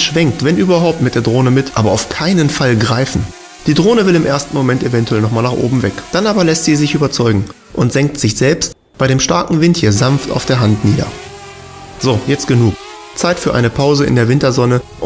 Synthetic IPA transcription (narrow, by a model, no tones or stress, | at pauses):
ʃv̥ɛŋk̚tv̥ɛnʔyːbɐɦaʊp̚tmɪt̚d̥eːɐdʁoːnəmɪtʰʔaːbɐaʊfkʰaɪnənfalɡʁaɪfn̩ | d̥iːdʁoːnəvɪlɪmʔeɐstn̩momɛntevɛntuɛlnɔχmaːlnaːχʔo̰ːbm̩vɛkd̥anʔaːbɐlɛstz̥iːzɪçʔyːbɐt͡sɔʏɡŋ̩ | ʔʊntz̥ɛŋk̚tz̥ɪçz̥ɛlpst | b̥aɪɾeːmʃtaɐkŋ̩vɪnthiːɐzanfta̰ʊfd̥eːɐɦantniːdɐ̰ | z̥oːjɛt͡stɡ̥ənuːk | t͡saɪtfyːɐʔa̰ɪnəpʰaʊzəɪ̰ndeːɐvɪntɐzɔnəʔ